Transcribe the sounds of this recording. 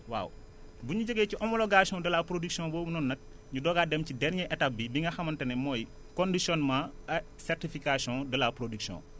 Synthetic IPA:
wa̰ːw | buɲuɟəɡeːciʔɔmɔloɡasɔ̃dɐlaːpɾodiksiɔ̃boːbunɔnːɐk̚ | ɲudɔːɡaːdɛmcidɛɾɲɛʔɛtap̚bibiŋɡɐxɐmɐntɐnɛmɔːj | kondisjɔnmaɐ | sɛrtifikasiɔ̃dɐlapɾodiksiɔ̰̃ː

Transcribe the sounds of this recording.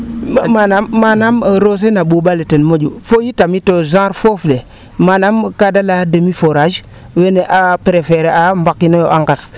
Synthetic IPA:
manamːanamɾos̬enaɓuɓaletenmod͡ʒufojitamitozãɾfofle | manamkadalademifoɾaʒ | weneʔapɾefeɾeambakːinojoʔaŋɡas

